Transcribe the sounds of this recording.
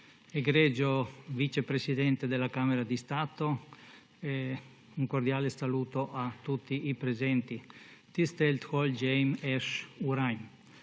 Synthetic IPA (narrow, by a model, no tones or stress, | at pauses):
eɡɾɛd͡ʒovit͡ʃepɾesid̪ɛnt̪ed̪elakameɾad̪ist̪aːt̪o | ɛ | uŋkoɾd̪jaːlesaluːt̪oʔat̪ːut̪ːiipɾezɛnt̪it̪ist̪elt̪hold͡ʒɛjmɛʃuɾajm